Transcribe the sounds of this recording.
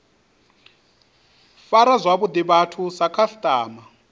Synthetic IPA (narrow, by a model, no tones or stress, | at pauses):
faɾazʷaβud̪iβatʰusakʰastʼaːma